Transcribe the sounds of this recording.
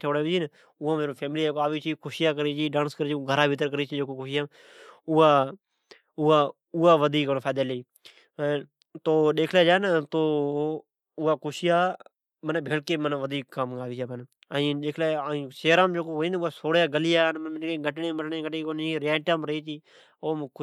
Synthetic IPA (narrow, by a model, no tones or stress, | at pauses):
ʈʰoːɽaːʋit͡ʃiːn | ʊãːmeːɾoːpʰeːmɪliːeːkoaːʋiːt͡ʃʰiːkʰʊʃɪjaːkəɾiːt͡ʃiːɗãːnskəɾiːt͡ʃːoɡʱəɾaːbʱɪt̪əɾkəɾiːt͡ʃʰid͡ʒeːkoːkʊʃɪjaːm | ʊaː | ʊaː | ʊːaːʋəd̪ʱiːkːnːfʰaːd̪aːleiː | t̪oːɗeːkʰlaːd͡ʒaːnt̪oː | ʊaːkʊʃɪjaː | mənbʱeːlkeːmənʋəd̪ʱiːkːaːmɡaːʋiːt͡ʃaːpən | aːĩːɗeːkʰlaːĩːseːɾãːmd͡ʒeːkoːɦoːĩːnʊːaːsoːɽjaːɡəlɪjaːnmmɪnkeːɡəʈɳẽːməʈɳẽːɡəʈeːkoːniɾjaːʈaːmɾəiːt͡ʃiː | oːm